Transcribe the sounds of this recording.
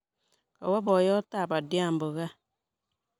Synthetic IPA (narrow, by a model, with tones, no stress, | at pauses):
ka˨wa˦bɔ˨jɔ˦ta˦˨ba˨dja˦˨m̩˨bo˨ɣa˦